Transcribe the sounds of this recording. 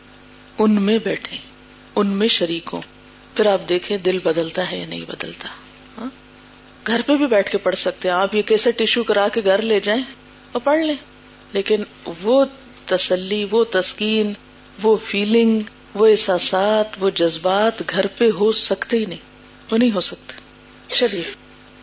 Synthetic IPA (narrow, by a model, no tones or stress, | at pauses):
ʊnmẽbɛːʈʰẽː | ʊnmẽʃɐɾiːkõ̰ː | pʰɪɾaːp̚d̪eːkʰẽd̪ɪlbɐd̪əlt̪aɦɛjanɐ̰ɦĩbɐ̰d̪ə̰lt̪a | ɦãː | ɡʱɐɾpebʱibɛːʈʰkepɐɽsɐk̚t̪eɦɛ̃aːpjekɛːseʈɪʃukɐɾaːkeɡʱɐɾled͡ʒaːẽ | ɔːɾpɐɽ̤lẽː | leːkɪnʋo | t̪ɐsəlːiʋot̪ɐskiːn | ʋofʰiːlɪ̃ŋɡ | ʋoɪsaːsaːt̪ʰʋod͡ʒɐzbaːt̪ɡʱɐɾpeɦosɐkt̪eɦinɐɦĩː | ʋonɐɦĩɦosɐk̚t̪e̥ː | ʃɐɾiːk